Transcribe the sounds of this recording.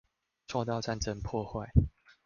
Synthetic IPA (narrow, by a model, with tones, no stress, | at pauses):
t͡sʰwɔ˥˧t̪̬ɑ˥˨ʊʈ͡ʂa˥˨nt͡sə˦˧ŋpʰwɔ˥˧xwa˥˨ɪ